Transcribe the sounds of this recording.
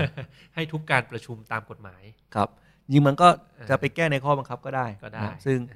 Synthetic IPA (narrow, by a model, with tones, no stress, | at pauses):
ha˥˩jt̪ʰu˦˥kːaː˧npɾa˧t͡ɕʰu˧mt̪aː˧mko˨˩t̪̚maː˩˦jkʰɾa˦˥p̚ | ɲɯ˧ŋma˧nkɔː˥˩ | t͡ɕa˨˩pa˧jkɛː˥˩na˧jkʰɔː˥˩ba˧ŋkʰa˦˥p̚kɔː˥˩daː˥˩jda˥˩˥sɯ˥˩ŋ